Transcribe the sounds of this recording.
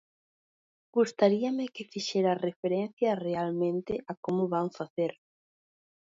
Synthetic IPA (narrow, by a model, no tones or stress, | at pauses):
ɡ̥ust̪aɾiɐmɪkɪfiʃɛɾarefeɾen̟θjɐrealmẽnt̪ɪʔakomʊβaŋfaθeɾ